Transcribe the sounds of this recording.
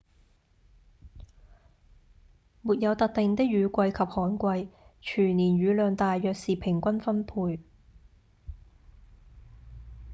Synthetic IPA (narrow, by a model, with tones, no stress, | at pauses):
muː˨˩t̚jɐ˨˧wt̪ɐ˨k̚t̪ɪ˨ŋt̪ɪ˥k̚jyː˨˧kʷɐ˧jkʰɐ˨p̚hɔː˨˥nkʷɐ˧jt͡ʃʰyː˨˩niː˨˩nɥyː˨˧lœː˨˧ŋt̪aː˨jːœː˨k̚siː˨pʰɪ˨˩ŋkʷɐ˥nfɐ˥npʰuː˧j